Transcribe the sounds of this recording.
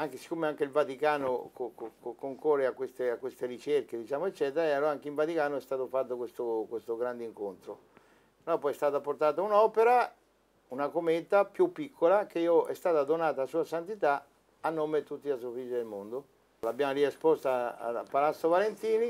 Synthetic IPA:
aŋk̟esi̥kːomeaŋk̟eilvat̪ikaːnokokokokːoŋkorːeakːwest̪eakwest̪erit͡ʃerked̪it͡ʃaːmoet͡ʃːɛːt̪eɾaaloaŋk̟eiɱvat̪ikaːnoɛst̪aːt̪ofat̪ːokwest̪okwest̪oɡɾand̪eiŋkont̪ɾo | nɔpːɔjɛst̪aːt̪aport̪aːt̪aunɔːpeɾa | unakomeːt̪apjupːikʰːolakeioɛst̪aːt̪ad̪onaːt̪aːsuːasant̪it̪a | anːoːmet̪ut̪ːias̬ofid͡ʒid̪elmond̪o | labjaːmoɾiespɔst̪aa̰a̰pːalat̪sːovalent̪iːni

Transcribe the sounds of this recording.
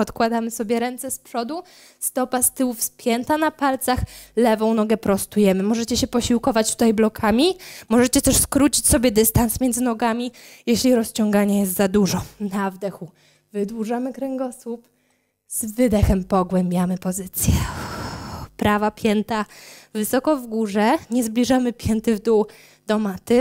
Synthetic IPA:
ɔt̪kwad̪amɘsɔbʲjɛɾɛnt̪sɛspʂɔd̪u | st̪ɔpast̪ɘwufspʲjɛnt̪anapalt̪saxlɛvɔ̃w̃nɔɡɛpɾɔst̪ujɛmɘmɔʐɛt͡ɕɛɕɛpɔɕiwkɔvat͡ɕt̪ut̪ajblɔkʰamʲimɔʐɛt͡ɕɛt̪ɛʂskɾut͡ɕit͡ɕsɔbʲjɛd̪ɘst̪ansmʲɛnd̪zɘnɔɡamʲijɛɕlʲiɾɔst͡ɕɔŋɡaɲɛjɛst̪zad̪uʐɔnavd̪ɛxu | vɘd̪wuʐamɘkɾɛŋɡɔswup | z̥vɘd̪ɛxɛmpɔɡwɛmbʲjamɘpɔzɘt̪sʲjɛ | pɾavapʲjɛnt̪avɘsɔkɔvɡuʐɛɲɛzblʲiʐamɘpʲjɛnt̪ɘvd̪uw | d̪̥ɔmat̪ɘ

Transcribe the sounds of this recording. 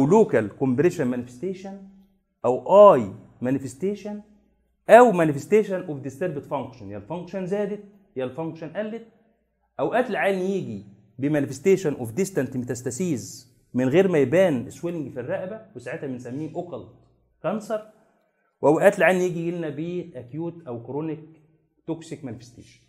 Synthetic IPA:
ʔæwloːkælkombeɾeːʃænmænɪfe̥st̪eːʃæn | ʔæwʔɑːj | mænɪfest̪eːʃæn | ʔæwmænɪfest̪eːʃænʔofd̪est̪eɾbɪt̪fɑŋkʃɑnjælfɑŋkʃɑnzæːd̪et̪̚ | jælfɑŋkʃɑnʔælːet̪̚ | ʔæwʔæːt̪lʕaːnijiːɡi | bemænefest̪eːʃænʔofd̪ist̪ænt̪mit̪æst̪æsiːz | mɪnɣeːɾmæjbæːneswelɪŋɡfirːæʔbæwesaʕet̪hæmɪnsæmːiːnʔokɑlt̪ | kɑnsɑɾˤ | wʔæwʔæːt̪lʕaːnijiːɡiɡelnæbiʔækjuːt̪ʔæwkɾonik̚ | t̪oksikmænɪfe̥st̪ḛːʃæ̥n

